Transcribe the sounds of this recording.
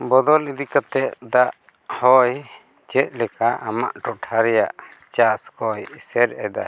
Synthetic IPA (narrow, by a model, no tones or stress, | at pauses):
bɔd̪ɔlid̪ikat̪ɛʔ̪d̪aʔ | hɔj | t͡ʃɛt̪̚ˀlɛkaʔama̰ʔʈɔʈʰaɾɛjaʔ | t͡ʃaskɔjisɛɾɛd̪a̰